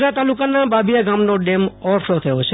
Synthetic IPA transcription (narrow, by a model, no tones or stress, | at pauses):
at̪alukanababijaɡamnoɖemɔɾfʰɾot̪ʰəjot͡ʃʰe